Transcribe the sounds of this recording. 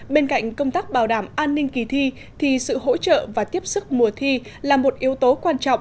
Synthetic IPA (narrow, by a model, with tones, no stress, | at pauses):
ɓe˧nka̰˧˨jŋ̟kə˧wŋ͡mt̪aː˦˥k̚ɓaː˨˩wɗaː˧˩mʔaː˧nːï˧ŋ̟ki˨˩t̪ʰi˧ | t̪ʰi˨˩sɨ̰˧˨ho̰˧˥t͡ɕə̰ː˧˨vaː˨˩t̪i˦˥əp̚sɨ˦˥k̚mu˨˩ət̪ʰi˧ | laː˨˩mo˨˩t̚ʔi˨˦əwt̪o˨˦kwaː˧nt͡ɕɔ̰˧˨wŋ͡m